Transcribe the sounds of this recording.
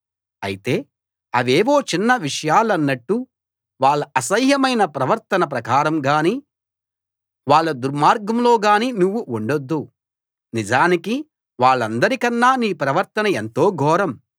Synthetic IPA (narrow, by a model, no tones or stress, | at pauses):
ɐjit̪e̞ː | ɐʋeːʋo̞ːt͡ʃinːɐʋiʂɐjaːlɐnːɐʈːu | ʋaːɭːɐɐsɐjjɐmɐjnɐpɾɐʋɐɾt̪ɐnɐp̬ɾɐkaːɾɐmɡaːniː | ʋaːɭːɐd̪uɾmaːɾɡɐmlo̞ːɡaːniːnuʋːuuɳɖod̪ːu | nid͡ʒaːniki | ʋaːɭːɐnd̪ɐɾikɐnːaːniːpɾɐʋɐɾt̪ɐnɐent̪o̞ːɡʱɔːɾɐm